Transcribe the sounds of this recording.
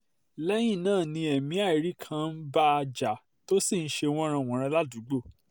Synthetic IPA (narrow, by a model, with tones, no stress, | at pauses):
lɛ˦j̃ĩ˦˨nãː˦˨nĩ˧ɛ˨mĩ˨˦a˦˨i˨˦ɾi˦kʰã˧n̩˦ba˦a˧d͡ʒa˨ | to˦si˦˨n̩˦ʃe˧w̃ɔ̃˦ɾ̃ã˧˨w̃ɔ̃˨˦ɾ̃ã˧la˦du˨˦ɡ͡bo˦˨